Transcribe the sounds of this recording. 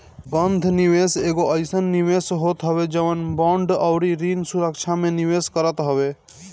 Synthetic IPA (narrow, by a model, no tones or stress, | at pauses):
bənd̪ʱniweseɡoʔəɪsənːiʋesɦot̪ɦəβed͡ʒəʋənbɔ̃ɳɖəʊɾiɾinsuɾəkt͡ʃʰameniweskəɾət̪ɦəbe